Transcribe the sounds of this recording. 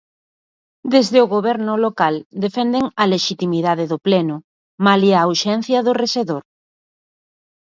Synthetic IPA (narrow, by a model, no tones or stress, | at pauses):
d̪ezðɪʊɣoβɛɾnʊlokald̪efɛnd̪eŋɐleʃit̪imiðaðeðʊplɛnʊ | maliauʃɛn̟θjɐðʊreseðoɾ